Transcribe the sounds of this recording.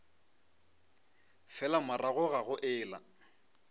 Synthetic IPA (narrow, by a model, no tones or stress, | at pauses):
fɛlamaraɣʊɣaɣʊʔɪːla̰